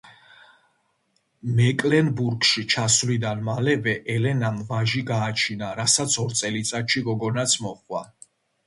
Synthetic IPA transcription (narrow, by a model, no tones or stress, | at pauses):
mɛkʼlɛnbuɾkʃit͡ʃʰasvlid̪anmalɛvɛʔɛlɛnamvaʒiɡaːt͡ʃʰinaɾasat̪sʰɔɾt̪sʼɛlit̪sʼat̪ʃiɡɔɡɔnat̪sʰmɔχwa